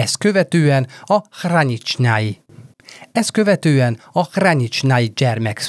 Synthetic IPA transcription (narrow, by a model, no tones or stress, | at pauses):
ɛskø̞vɛt̪øːɛnɒhraɲit͡ʃnaji | ɛskø̞vɛt̪øːɛnɒhraɲit͡ʃnajid͡ʒɛrmɛks